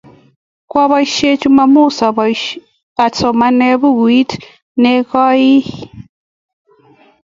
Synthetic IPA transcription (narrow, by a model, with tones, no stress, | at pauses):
kwa˦βa˦iʃe˦t͡ʃu˦ma˦mu˦˨sa˨ | a˨t͡sɔ˨ma˦ne˦βu˦ɡwi˦t | ne˦ka˦ji˦